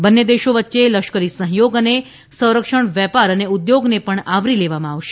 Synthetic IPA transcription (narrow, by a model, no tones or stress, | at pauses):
bənːed̪eʃoʋətːʃeləʃkəɾisə̃ɦjoɡəne | sə̃w̃ɾəkʃəɳʋɛpaɾəneud̪joɡnepəɳaʋɾileʋamãaʋʃe̥